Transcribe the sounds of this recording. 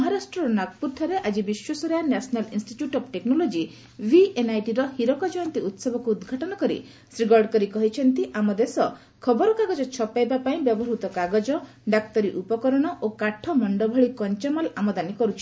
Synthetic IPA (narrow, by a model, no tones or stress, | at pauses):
ɔɦaɾasʈɾɔɾɔnak̚puɾt̪ʰɔɾeʔad͡ʒibiswɔsɔɾjanasɔnalinsʈiʈjuʈɔbʈeknɔlod͡ʒi | bʱienajʈiɾɔhiɾɔkɔd͡ʒɔant̪iut̪sɔbʱɔkuːd̪ɡʱaʈɔnɔkɔɾḭ | sɾiɡɔɾɖkɔɾikɔɦit͡ʃʰɔnt̪iʔamɔd̪esɔ | kʰɔbɔɾɔkaɡɔd͡ʒɔt͡ʃʰɔpajbapaĩbjɔbɔɾut̪ɔkaɡɔd͡ʒɔ | ɖakt̪ɔɾiʔupɔkɔɾɔɽ̃ɔʔokaʈʰːɔmɔɳɖɔbʱɔɭikɔnt͡ʃamalamɔd̪anikɔɾut͡ʃʰi̥